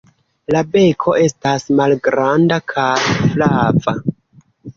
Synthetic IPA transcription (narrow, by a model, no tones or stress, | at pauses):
labe̞kʰo̞e̞stasmalɡɾandakʰaflava